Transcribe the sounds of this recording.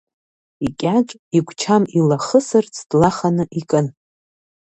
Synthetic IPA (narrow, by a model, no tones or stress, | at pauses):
ikʲʼat͡ʃʷʼiɡʷt͡ʃʰamilaχəsɨrt͡sʰd̥laχanɨʔikʼɨn